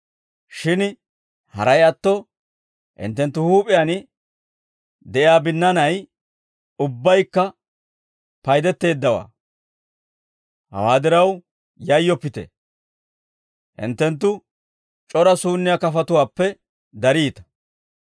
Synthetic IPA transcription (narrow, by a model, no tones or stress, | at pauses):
ʃɪn | hɐ̰ɾɐjɐt̪ːɔ | ʔɪ̰nt̪ːɛnt̪ːʊhuːpʼɪjan | d̪ɛʔɪaːbɪnːɐnɐj | ʊbːɐjkːɐ | pɐjd̪ɛt̪ːe̞ːd̪ːɐwa̰ː | hɐ̰waːd̪ɪɾɐw | jɐjːɔpːɪt̪ɛ̰ | ʔɪ̰nt̪ːɛnt̪̬ːʊ | t͡ʃʼɔɾɐsuːnːɪjakɐfɐt̪ʊwaːpːɛ | d̪ɐɾiːt̪ɐ̥